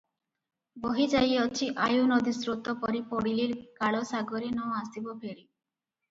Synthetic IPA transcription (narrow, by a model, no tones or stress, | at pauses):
bɔɦid͡ʒajɔt͡ʃʰiʔajunɔd̪isɾut̪ɔpɔɾipɔɽiliɾkaɭɔsaɡɔɾinɔast̪ibɔpʰeɽi